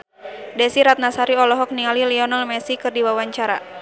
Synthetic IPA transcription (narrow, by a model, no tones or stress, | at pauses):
dɛsiɾat̪̚nasaɾiɔlɔɦɔk̚niŋaliliɔnalmɛsikɨrdiwawaɲt͡ʃaɾa